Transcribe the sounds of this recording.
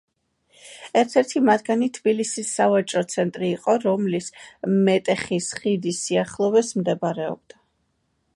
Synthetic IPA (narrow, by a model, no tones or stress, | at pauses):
ɛɾt̪ʰɛɾt̪ʰimad̪ɡanit̪ʰbilisisːavat͡ʃʼɾɔt̪sʰɛnt̪ʼɾiːqʼɔɾɔmlismɛt̪ʼɛχisχid̪isiaχlˠɔvɛsmd̪ɛbɾɛɔ̰b̚d̪̥a